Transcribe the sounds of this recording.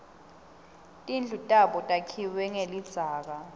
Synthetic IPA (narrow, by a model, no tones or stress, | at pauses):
tʼind͡ɮʱutʼaɓɔtʼakʰiwɛŋelid̥d͡z̥ʱaːk̬a